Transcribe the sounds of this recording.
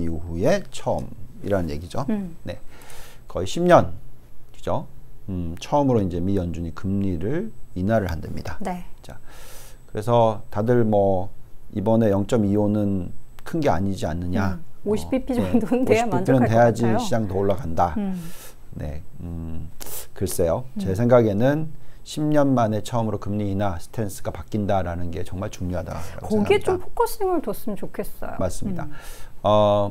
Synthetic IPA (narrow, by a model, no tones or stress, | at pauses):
juɦue̞t͡ɕʰʌʌmḭɾanɯnje̞̰ɡid͡ʑone̞̰kʌiɕʰimɲʌnkɯd͡ʑoɯt͡ɕʰʌʌmɯɾoind͡ʑe̞mijʌnd͡ʑuɲikɯmɲiɾɯɭinaɾɯɭhandemɲidant͡ɕ͈akɯɾe̞sʰʌtadɯɭmʌibʌne̞jʌŋt͡ɕ͈ʌmijonɯnkʰɯnɡe̞a̰ɲid͡ʑia̰nːɯɲaoɕʰi̥pʰipʰid͡ʑeoɕipiinɯnte̞jad͡ʑiɕʰid͡ʑaŋtooɭːaɡanda | ne̞̰ɯ | kɯɾʌs͈ejot͡ɕe̞sʰe̞ŋɡaɡe̞nɯnɕʰimɲʌnmane̞t͡ɕʰʌɯmɯɾokɯmɲiːnasʰɯ̥tʰe̞ns͈ʰɯɡapak͈indaɾanɯnɡe̞t͡ɕʌŋmaɭt͡ɕuŋɲoɦada̰aɡooeɡiet͡ɕompʰok͈oseŋɯɭtos͈ɯmnt͡ɕokʰe̞s͈ʌ̰jo̰maɭs͈ɯmɲida̰ʌ